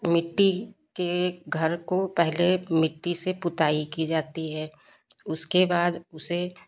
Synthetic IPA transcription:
mɪʈːikeɡʱɐɾkopɛɦlemɪʈːisepʊt̪aːikid͡ʒaːt̪iɦɛː | ʊskebaːd̪ʊse

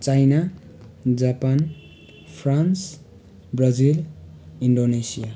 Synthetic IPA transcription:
t͡sajna | d͡zapan | pʰrans | brad͡ziliɳɖonesija

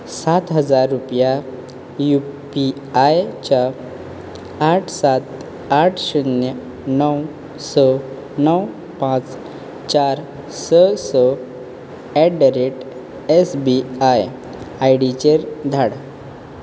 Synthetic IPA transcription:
sat̪ɦəd͡zaɾːupja | jupi | ajt͡ɕa | ʈʰsat̪ | aʈʰɕunjə | nəw | sə | nəw | pãt͡s | t͡ɕaɾ | səsə | ɛɖəɾeʈ | esbiaj | ajɽit͡ɕeɾd̪ʱaɽ

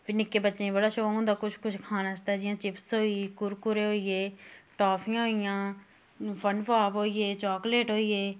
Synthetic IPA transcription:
pɪnɪkːeːbətːʃẽːĩbəɽaːʃoːõːd̪aːkʊt͡ʃʰkʊt͡ʃʰkʰaːnaːt͡ʃt̪aːd͡ʒɪjãːt͡ʃɪpsɦoːikʊɾkʊɾeːɦoːieːʈɔːpʰɪjãːɦoːijãː | pənpaːpɦoːieːt͡ʃɔːkleːʈɦoːieː

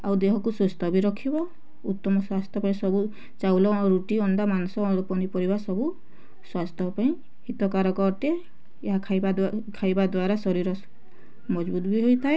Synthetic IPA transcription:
awd̪eɦɔkusust̪ɔbiɾɔkʰibɔ | ut̪ːɔmɔswast̪ʰjɔpaĩsɔbu | t͡ʃawlɔɾuʈiɔnɖamanɔsɔɾupɔnipɔɾibasɔbu | swast̪ʰjɔpaĩ | hit̪ɔkaɾɔkɔʈe | eɦakʰajakʰajbad̪waɾasɔɾiɾɔ | mɔd͡ʒbut̪ɔbiɦojt̪ʰae

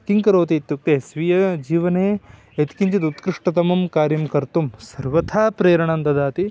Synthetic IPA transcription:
kiŋkɐɾoːt̪iːt̪juk̚t̪esʋijɐd͡ʒiːʋɐneː | et̪i̥kiɲt͡ʃit̪ut̪kɾɪʂʈɐt̪ɐmɐmkaːɾjɐmkɐɾt̪umsɐɾʋɐt̪ʰaːpɾeːɾɐɳɐnd̪ɐd̪aːt̪i

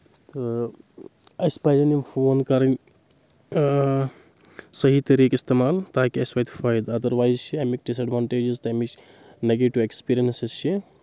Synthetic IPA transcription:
t̪o | ɐspɐjzɐnimpʰoːnkɐɾɐn | sɐɦit̪ɐɾiːkist̪eːmaːlt̪aːkiɐspajd̪faːjd̪ɐd̪ɐɾʋaːjzt͡ʃʰiɐjmik̚ɖis̬ɐɖʋaːɳʈeːd͡ʒizt̪ɐmit͡ʃ | neɡeːʈiʋekspiːɾijɐnsɐst͡ʃʰi

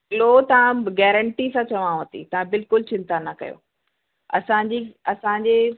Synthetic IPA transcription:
lot̪ɐʋ̤ãɡɛːɾə̃ɳʈisãt͡ɕɐʋãɦɐt̪ʰḭt̪ɐʋ̤ãbɪlkʊlt͡ɕɪ̃nt̪anɐkɐ̰jo̰ː | ɐsãːɲd͡ʑiːɐsãɲd͡ʑeː

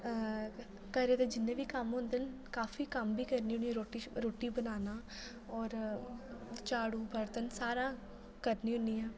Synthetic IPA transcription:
kɛːɾeːt̪eːd͡ʒɪnːẽːʋiːkəmɦʊ̃nd̪ən | kaːfiːkəmbiːkəɾniːɦʊnĩɾoːʈiɾoːʈiːbənaːnaː | ɔːɾ | t͡ʃaːɽuːbəɾt̪ənsaːɾãː | kəɾniːɦʊniːɛː

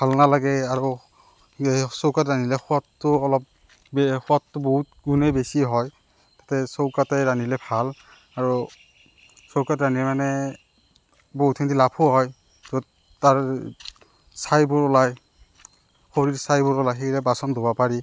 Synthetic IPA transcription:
bʱalnalaɡɛaɹu | sowkatɹanilɛxɔatːʊɔlɔp̚ | bxɔatːʊboɦut̚ɡunebesiɦɔj | tatɛsowkatɛɹanilɛbʱal | aɹu | sowkatɹanimanɛ | boɦutʰintilapʰʊɦɔj | zod | taɹ | sajbʊɹɔlaj | xoɹiɹsajbʊɹɔlajxejɹɛbasɔndʱobapaɹi

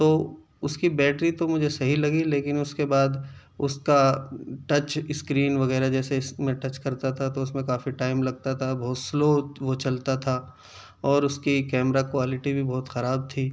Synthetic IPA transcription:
t̪oː | ʊskibɛːʈɾit̪omʊd͡ʒʱesɐɦilɐɡileːkɪnʊskebaːd̪ | ʊskaʈɐt͡ʃɪskɾiːnʋɐɣɛːɾad͡ʒɛːsesmẽʈɐt͡ʃkɐɾt̪at̪ʰat̪oʊsmẽkaːfiʈaːɪmlɐɡ̚t̪at̪ʰabɔːt̪sloːʋot͡ʃɐlt̪at̪ʰa | ɔːɾʊskikɛːmɾakoaːlɪʈibʱibɔːt̪xɐɾaːb̚t̪ʰiː

